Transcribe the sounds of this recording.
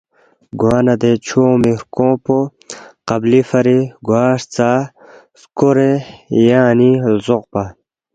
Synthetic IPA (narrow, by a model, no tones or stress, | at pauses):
ɡwaːnɐd̪et͡ɕʰoːmiɾkõːpo | qɐblifɐɾiɡwaːʂt͡saː | skoɾejaːnilzoq̚pa